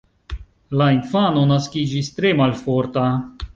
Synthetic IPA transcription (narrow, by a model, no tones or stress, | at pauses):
lainfaːnonaskid͡ʒist̪ɾemalfoɾt̪a